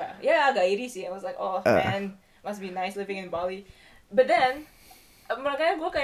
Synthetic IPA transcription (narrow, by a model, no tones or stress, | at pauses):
jaaɡaʔiɾisiɛ̃nwɔslaɪkɔ̰ɛ̃n | masbinaɪslɪvɪ̃ŋɪ̃nbali | bat̪̚d̪ɛ̃n | məɾakajaɡoka